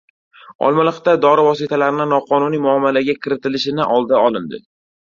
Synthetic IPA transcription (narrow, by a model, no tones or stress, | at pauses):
ɒ̰lˠmalˠɨχt̪ad̪ɒɾɪvɒsɪt̪ʰalaɾɪnɪnɒqʰɒnʊnijmʊamːalaɡʲakʲʰɪɾɪt̪ɪlɪʃɪnɪʔɒlˠd̪aɒlˠɪnd̪ɪ̰